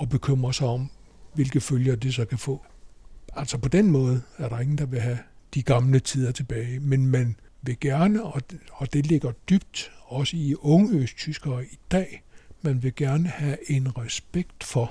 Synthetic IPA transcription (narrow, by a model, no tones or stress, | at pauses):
ɒ̽b̥e̝kʰøm̰ʁɐsɑ̈ɪɒ̽m | ʋe̝lɡ̥ð̩ˠføljɐd̥esɒ̽kʰæfɔ̰ː | ælsɒ̽pʰɒ̽d̥enmɔ̽ːð̞̩ˠæɐɾ̥ɑ̈e̝ŋn̩d̥ɑ̈ʋe̝ɦæd̥iɡ̥ɑ̈mlət͡sʰiːð̞ˠɐt͡sʰe̝b̥ɛːɪmenmæn | ʋe̝ɡ̥æɐnəɒ̽ɒ̽d̥e̝le̝ɡ̥ɐd̥yb̥̚d̥ɒ̽səiɔ̽ŋəøst͡sʰysɡ̥ɐːid̥ɛ̰ːmænʋe̝ɡ̥æɐnəhæe̝nʁɛsb̥eɡ̥d̥fɒ̽